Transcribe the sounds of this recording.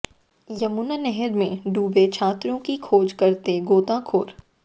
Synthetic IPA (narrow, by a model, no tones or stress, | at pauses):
jɐmunanɛɦɛɾmẽɖuːbet͡ʃʰaːt̪ɾõkikʰoːd͡ʒkɐɾt̪eɡoːt̪akʰo̰ːɾ